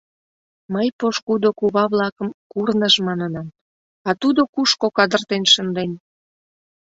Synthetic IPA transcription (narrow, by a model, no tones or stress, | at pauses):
məjpoʃkud̪okuβɑβlɑkəmkurnəʒmɑnənɑm | ɑt̪ud̪okuʃkokɑd̪ərt̪enʃənd̪en